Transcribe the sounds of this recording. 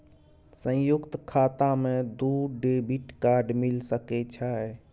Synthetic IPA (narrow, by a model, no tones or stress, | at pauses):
sə̃jʊkt̪kʰaːt̪amẽd̪uːɖebiʈkaːɾɖmilsəket͡ʃʰae